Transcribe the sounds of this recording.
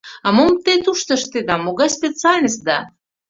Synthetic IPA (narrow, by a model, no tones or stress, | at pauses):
ɑmomt̪et̪uʃt̪ə̆ʃt̪ed̪ɑmoɣɑjspʲet͡sɨalʲnʲəsʲt̪̚d̪ɑ